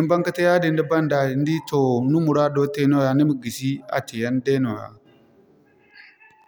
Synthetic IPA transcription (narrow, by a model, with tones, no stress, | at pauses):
i˦mba˦ŋka˦te˦ja˦di˨n˦di˦ba˦nda˨i˨n˦di˦to˨nu˦mu˨ɾa˦do˦te˦no˦ja˨ni˦mi˨ɡi˨si˦a̰˨ti˨ja˦nde˦no˨ja̰˨